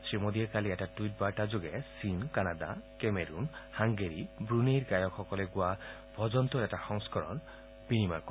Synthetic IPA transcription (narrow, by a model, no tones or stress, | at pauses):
sɾimod̪iekaliɛʈaʈuiʈ̚baʈad͡ʒoɡesinkanad̪a̰kemeɾunhaŋɡeɾibɾunejɾɡajɔkʰɔkɔleɡua | bʱɔd͡ʒɔnt̪ɔɾeʈaxɔŋskɔɾɔ̰n | b̥inima̰ɾkɔ